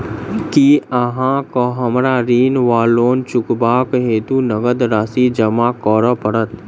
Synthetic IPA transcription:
kiəɦãkoɦəmɾaɾiːnʋaːloːnt͡ʃʊkbaːkɦeːt̪unəɡəd̪ɾaːsid͡ʒɐmakɔːɾəpəɽət̪

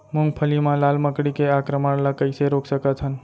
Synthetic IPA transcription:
muŋɡ̚pʰəlimãlalməkɽikeakɾəməɳləkəjseɾoksəkət͡ʃʰən

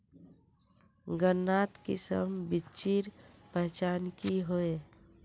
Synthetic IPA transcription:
ɡənːat̪kḭsə̰mbit͡ʃiɾpəɦt͡ʃankiɦoe

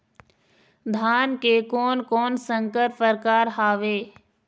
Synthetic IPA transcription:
d̪ʱaːnkekɔːnkɔːnsə̃ŋkəɾpəɾkaːɾɦaːʋeː

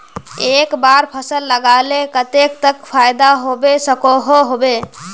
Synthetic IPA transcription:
ekbaɾpʰəsəlːəɡalekət̪ekt̪əkpʰajd̪aɦobesəkoɦoɦobe

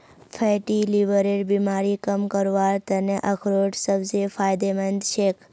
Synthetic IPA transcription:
fʰeʈiliʋəɾeʈbimaːɾikəmkəɾʋaɾt̪əneʔəkʰɾoʈsəbzefaːjd̪emənd̪ʃekʰ

